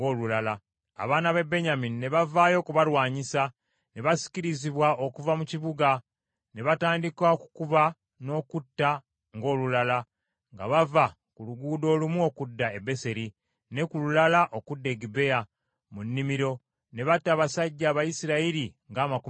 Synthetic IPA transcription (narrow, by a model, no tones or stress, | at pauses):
oːlulala | a̰βaːnaβe̞be̞ɲaminine̞βavaːjo̞kuβaɾwaːɲisa | ne̞βasi̥ciɾiziβwaʔo̞kuvamuciβuɡa | ne̞βataːndikaoku̥kuβa | no̞ːkutːa | ŋɡo̞ːlulala | ŋɡa̰βava | kuluɡuːdo̞ːlumuo̞kudːaebe̞se̞ɾi | ne̞kululalaʔo̞kudːeɡibe̞ja | munːimiɾo̞ | ne̞βatːaβasaɟːaːβajisiɾaiɾiŋɡaːmaku